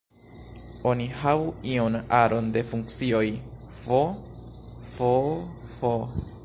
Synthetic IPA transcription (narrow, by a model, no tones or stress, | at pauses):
o̞nihavuionaɾo̞nde̞fuŋk̚t͡sio̞j | fo | fofo